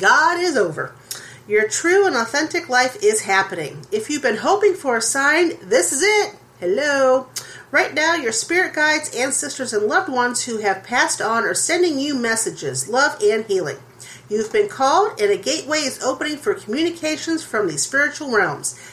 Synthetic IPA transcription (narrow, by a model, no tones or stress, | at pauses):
ɡ̥ɑɾɪzoʊvə̰˞ | jə˞tʰɹ̥ʉə̃nɔθɛ̃ntɨklaɪfɪz̥ɦæpɨnɪ̰̃ŋɨfjʉvbɨ̃nɦoʊpɪ̃ŋfə˞ɨsãɪ̃nðɪsɨzɪt̚ | hɛloʊɹaɪtⁿnaʊjə˞spɪɹɨt̚ɡ̥aɪdzæ̃nsɛstə˞zɨ̃nlʌvd̚wʌ̃nz̥huɨv̥pʰæstn̩ə˞sɛ̃ndɪ̃ŋjʉmɛsɨd͡ʒɪzlʌvɨ̃nhilˠɪ̰̃ŋ | jʉvbɨ̃nkʰɔlˠdɨ̃nɨɡeɪʔ̚weɪɨzoʊpɨnɪ̃ŋfə˞kʰm̩jʉnɨkʰeɪʃɨ̃nz̥fɹʌ̃mðiz̥spɪɹɨt͡ʃul̩ˠɹɛlˠmz̥